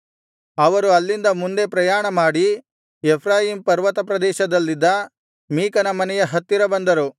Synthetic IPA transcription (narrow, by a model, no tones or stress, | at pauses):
ɐʋɐɾuɐlːind̪ɐmund̪e̞pɾɐjaːɳɐmaːɽi | epʰɾaːjiːmpɐɾʋɐt̪ɐpɾɐd̪ɛːʃɐd̪ɐlːid̪ːɐ | miːkɐnɐmɐnɛjɐɦɐt̪ːiɾɐbɐnd̪ɐɾu